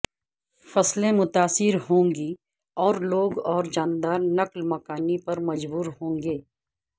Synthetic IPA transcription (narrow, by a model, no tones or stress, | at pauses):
fɐslẽmʊt̪aːsɪɾɦõːŋɡi | ɔːɾloːɡɔːɾd͡ʒaːnd̪aːɾnɐklmɐkaːnipɐɾmɐd͡ʒbuːɾɦõːŋɡeː